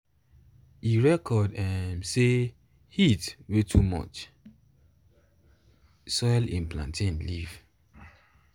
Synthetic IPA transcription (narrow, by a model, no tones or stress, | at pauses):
iɹɛkʰɔdɛ̃mse | hitwetʰumɔ̰t͡ʃ | sɔɪlḭ̃nplã̰ntʰĩnliv̥